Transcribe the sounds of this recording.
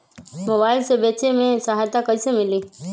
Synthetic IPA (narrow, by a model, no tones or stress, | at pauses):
moːbaːɪlsebeːt͡ʃemẽsəɦaːjt̪akəisemɪliː